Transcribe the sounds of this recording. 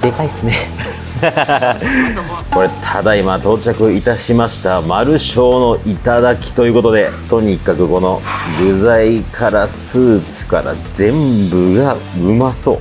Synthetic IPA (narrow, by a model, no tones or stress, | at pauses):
d̪̥e̞kaisɨne | ko̞ɾe̞t̪ʰad̪aimat̪o̞ːt͡ɕakɯ̟it̪aɕimaɕi̥t̪amaɾɯ̟ɕo̞ːno̞ʔit̪ad̪akʲi̥t̪o̞jɯ̟ːko̞t̪o̞d̪e̞t̪o̞ɲ̟ikakɯ̟ko̞no̞ɡɯ̟zaikʰaɾasɨːpɯ̟̥kaɾa̰d͡zẽ̞mbɯ̟ɡaɯ̟maso̞̰ː